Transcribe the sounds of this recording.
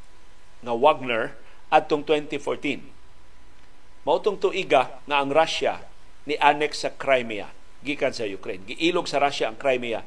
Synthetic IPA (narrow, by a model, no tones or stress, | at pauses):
ŋawaɡ̚nɛɹ | ʔad̪̚t̪oŋt̪wɛnt̪ifoɹt̪in | mɐʔʊt̪ʊŋt̪ʊʔiɡa | ŋaɐŋɾaʃa̰ | nɪʔanɛksɐkɾajmia̰ | ɡiːkansɐjʊkɾejnɡɪʔiːloɡsɐɾaʃaɐŋkɾajmia̰